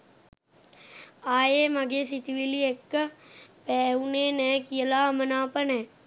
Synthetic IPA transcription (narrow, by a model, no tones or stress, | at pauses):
aːjeːməɡeːsit̪iʋiliekː | pɛːuneːnɛːkijəlaːmənaːpənɛː